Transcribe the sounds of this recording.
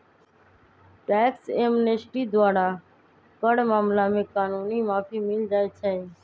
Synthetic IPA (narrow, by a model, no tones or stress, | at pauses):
ʈɛːksemnesʈiːd̪waːɾaː | kəɽmaːmlaːmẽːkaːnuːniːmaːpʰiːmɪld͡ʒaːet͡ʃʰɛː